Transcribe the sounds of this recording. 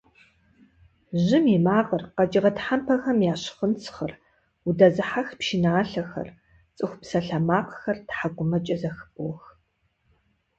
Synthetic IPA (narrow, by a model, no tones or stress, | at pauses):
ʑɪmimaːʁərqɐd͡ʒɪʁɐtħampʰɐxɐmjaːɕχənt͡sʰχɐr | ʊdɐzɨħaxpʃinaːɬɐxɐ̰r | t͡sʼɨxʷʊpsɐɬɐmaːqəxɐrtħaɡʷʼʊmɐt͡ʃʼɐzɐxɨpʼwx